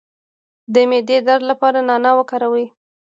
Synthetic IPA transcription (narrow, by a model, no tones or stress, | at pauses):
d̪əmed̪ed̪aɾd̪lapɑɾanɑnawəkɑɾawi